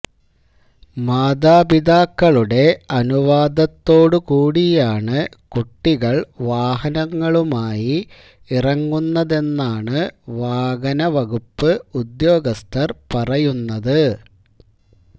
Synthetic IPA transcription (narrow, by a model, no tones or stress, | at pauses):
maːd̪aːbid̪aːkːɐɭuɽe̞ɐnuʋaːd̪ɐt̪ːo̞ːɽɨkuːɽijaːɳɨ | kuʈːiɣɐɭʋaːɦɐnɐŋːɐɭumaːji | irɐŋːunːɐðe̞nːaːɳɨʋaːɡɐnɐʋɐɣupːɨud̪jo̞ːɡɐst̪ʰɐrpɐrɐjunːɐðɨ